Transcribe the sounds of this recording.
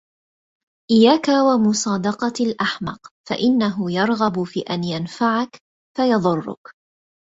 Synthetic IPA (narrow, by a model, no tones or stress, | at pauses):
ʔɪjːaːkawamʊsˤɑːd̪ɑqɑalʔaħmɑqfa̰ʔɪnːaɦʊjɑɾˤɣɑbʊfiːʔanjanfaʕak | fajɑðˤʊrˤːʊ̰k